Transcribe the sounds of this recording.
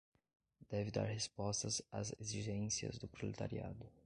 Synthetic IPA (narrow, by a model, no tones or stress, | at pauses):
d̪̥ɛvɪd̪a̰ɾhespɔst̪ɐzazeziʒẽsiɐ̰zd̪ʊpɾolet̪aɾia̰d̪ʊ